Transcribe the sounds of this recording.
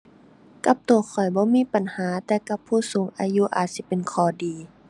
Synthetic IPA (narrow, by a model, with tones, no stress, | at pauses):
ka˧˦p̚t̪u˨˩kʰɔ˨˩jbɔː˧˦miː˧˥˨pa˨nhaː˨˦t̪ɛː˧ka˧˦pʰːuː˧˩suː˨˦ŋʔa̰ː˨˧ju˧˥˨ʔaː˨˩t̪̚si˧˦pe˨nkʰɔː˨˩diː˨